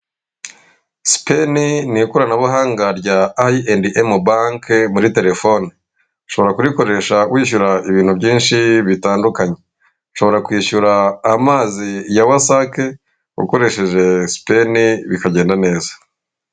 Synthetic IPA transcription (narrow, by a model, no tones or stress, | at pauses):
si̥peninikuɾanaβaɦaːŋɡaɾjɟaːiendiʔemubaŋkmuɾite̞ɾe̞fo̞ni | ʃo̞βo̞ɾakuɾiko̞ɾe̞ʃawiːʃuɾaiβiːn̥hubɟiːnʃiβitaːndukaɲe̞ | ʃo̞βo̞ɾakwiːʃuɾaːmaːzijawasake̞ | ṵko̞ɾe̞ʃe̞ʒe̞si̥pe̞niβikaɟe̞ːndane̞ːzḁ